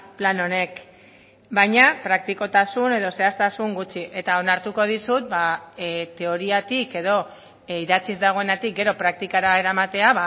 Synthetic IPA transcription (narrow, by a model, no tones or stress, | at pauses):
plano̞ne̞k | bajɲapɾak̚t̪iko̞t̪asune̞ð̞o̞se̞ast̪asuŋɡut͡ʃiʔe̞t̪ao̞naɾt̪uko̞ð̞isut̪̚bat̪e̞o̞ɾiat̪ike̞ðo̞ | iðat͡sizd̪aɣ̞o̞enat̪ik̚ɡe̞ɾo̞pɾak̚t̪ikaɾae̞ɾamat̪e̞aβa